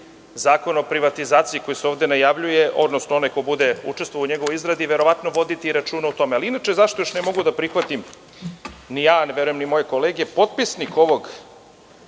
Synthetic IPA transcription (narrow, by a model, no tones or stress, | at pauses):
zaːko̞nopɾiʋat̪izaːt̪siiko̞jiseoːvd̪enajaʋʎuje̞ʔo̞d̪nosnoo̞najkobud̪e̞ṵt͡ʂest̪vujauɲeɡoʋoizɾad̪iʋeɾo̞ʋat̪noʋo̞d̪it̪iːɾat͡ʃuːnaut̪o̞mealiinat͡ʃezaʃt̪o̞joʃnemo̞ɡud̪apɾixʋat̪im | nijanʋjeɾujemnimo̞jeko̞leːɡepo̞t̪̚pisniko̞ʋoɡ